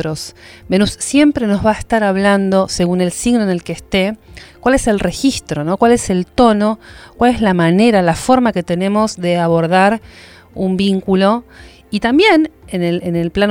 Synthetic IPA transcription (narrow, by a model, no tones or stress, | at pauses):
ɾosbenusːje̞mpɾeno̞zβaest̪aɾaβ̞land̪o̞se̞ɣune̞lsiɣno̞ene̞lkeːst̪ekwalese̞lre̞xist̪ɾo̞no̞kwale̞se̞lt̪o̞no̞kwale̞zlamane̞ɾalafo̞ɾmake̞t̪e̞nẽ̞mo̞zðeaβo̞ɾð̞aɾ | umbiŋkulo̞ | it̪ambje̞nenelenelplan